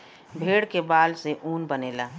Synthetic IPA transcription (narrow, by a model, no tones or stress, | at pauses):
bʱeːɽkebaːlseʔuːnbəneːlaː